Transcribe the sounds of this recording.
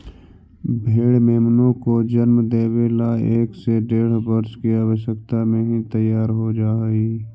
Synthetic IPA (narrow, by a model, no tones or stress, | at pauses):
bʱeːɽmeːmnõkod͡ʒənmd̪eːwelaeːkseɖeːɽ̤bəɾskiaːwəʃjəkt̪amẽɦĩt̪əjːaːɾɦod͡ʒaːiː